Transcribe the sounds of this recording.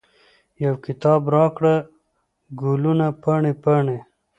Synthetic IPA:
jawkit̪ɑːbɾɑːkɽa | ɡulunapaɳepaɳe

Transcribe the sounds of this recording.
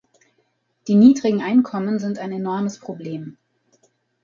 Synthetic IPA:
d̥iːniːdʁɪɡŋ̩ʔaɪnkʰɔmənzɪntaɪnenɔɐməspʁ̥obleːm

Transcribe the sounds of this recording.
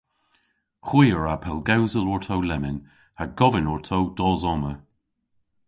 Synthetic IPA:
xwiːəɹapʰɛlˠɡawzəlɔɹt̪ʰowlɛmɪn | haɡɔvənɔɹt̪ʰowd̥ɔːzɔmə

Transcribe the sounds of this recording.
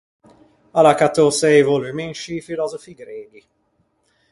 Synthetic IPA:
alakat̪ːosɛjvolimenʃifilɔzɔfiɡɾeli

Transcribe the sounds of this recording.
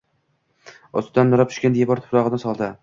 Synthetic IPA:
ɒsd̪anːʊɾap̚t͡ʃʰʊ̥ʃkʲand̪ejabɒɾt̪ʰʊ̥pɾɒʁɨnɪsɒlˠd̪ɪ

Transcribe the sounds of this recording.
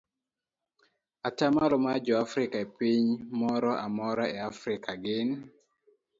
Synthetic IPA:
atamalɔmad͡ʒɔafɾɪkaepiɲmɔɾɔʔamɔɾaɛafɾɪkʰaɡɪn

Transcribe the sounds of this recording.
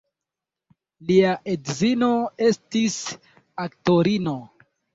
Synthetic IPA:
liaʔedzino̞e̞stis | akto̞ɾino̞

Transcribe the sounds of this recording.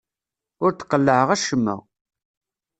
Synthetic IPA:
ʊɾt̪ːqːəlːəʕəʁæʃəmːæ̰

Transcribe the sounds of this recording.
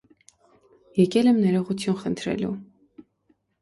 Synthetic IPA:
jɛkɛlɛmnɛɾɔʁut̪ʰjunχənt̪ʰɾɛ̰lṵ

